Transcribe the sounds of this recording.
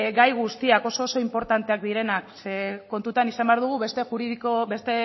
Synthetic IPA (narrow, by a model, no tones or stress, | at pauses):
ɡajɣ̞ust̪iako̞so̞ːso̞impo̞ɾt̪ant̪e̞ak̚d̪iɾe̞nakseko̞nt̪ut̪anisambeaɾð̞uɣ̞ue̞st̪e̞xuɾiðikobe̞st̪e̞